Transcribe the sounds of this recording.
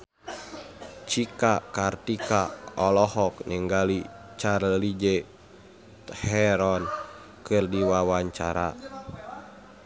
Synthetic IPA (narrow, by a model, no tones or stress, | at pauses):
t͡ʃikakart̪ikaɔlɔhɔkɲɛŋɡalit͡ʃarlid͡ʒɛ | hɛɾɔn | kɨrdiwawaɲt͡ʃaɾa